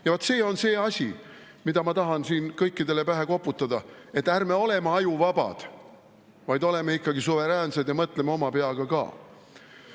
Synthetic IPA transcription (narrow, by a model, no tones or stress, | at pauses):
jɑvot̪ːˑse̞ːo̞nse̞ːɑsʲi | mid̪̥ɑmɑt̪ɑɦɑnsiːnkɤjkːid̪e̞le̞pæɦe̞ko̞pːˑut̪ˑːɑd̪ɑe̞t̪ːˑærme̞o̞le̞meɑjuvɑb̥ɑ̰d̪̥ | vɑjd̪̥o̞le̞meikːɑɡisuve̞ɾæːnse̞d̪̥jɑmɤt̪ˑlemeo̞mɑpe̞ɑɡ̥ɑkɑ̰ː